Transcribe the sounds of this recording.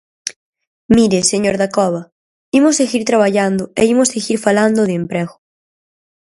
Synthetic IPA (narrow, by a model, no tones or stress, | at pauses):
miɾeseɲoɾðakɔβa | imʊseɣiɾt̪ɾaβ̞aʎand̪ʊeimoseɣiɾfaland̪ʊðeempɾɛɣʊ